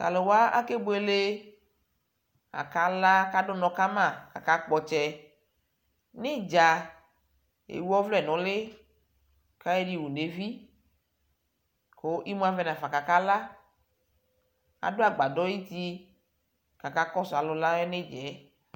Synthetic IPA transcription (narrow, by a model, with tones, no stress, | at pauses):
ta̰˨le˨wa˦ʔa̰˦ke˦bo˦e˦le˦ | a̰˨ka˦la˦ka˦do˦nɔ̃˨ka˦mã˦˨ka˨ka˦k͡pɔ˨t͡ʃɛ˦ | ne˦d͡ʒa˨ | ḛ˨wu˦ɔ˦vlɛ˦˨nɔ̃˨le˦ | ka˦e˦ɖi˨wu˨ne˨vi˦ | ko˨˦ʔi˦mũ˦a˨vɛ˦nã˨fa˨ka˨ka˦la˦ | a̰˨do˦a˨ɡ͡ba˨dɔ˦ji˦t̪i˦ | ka˨ka˦kɔ˦sʊ˨a˨lʊ˨la˦e˦ne˦d͡ʒɛ˨˦